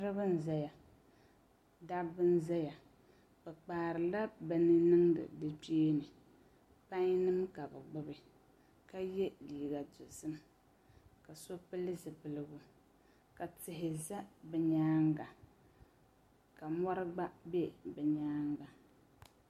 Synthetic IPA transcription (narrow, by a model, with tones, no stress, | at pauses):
ɾɨ˦bɨ˦n˦za˦ja˨ | da˦bɨ˦n˦za˦ja˨ | bɛ˨k͡paː˨ɾɨ˨la˦bɛ˨nɨ˦nɨ˦ŋdɨ̰˨dɨ˦peː˦nɨ˨ | pa˦ɲ˦nɨ˦mka˨bɨ˨ɡ͡bʊ˦bɨ˨ | ka˦jɛ˦liː˨ɡa˨tʊ˨sɨ˦m | ka˨so˦pɨ˦lɨ˦zɨ˨pɨ˨lɨ˨ɡʊ˨ | ka˨tɪ˨ɦɪ˨za˦bɛ˨ɲaː˦ŋɡa˨ | ka˨mɔ˦ɾɨ˦ɡ͡ba˦bɛ˦bɛ˨ɲaː˦ŋɡa˨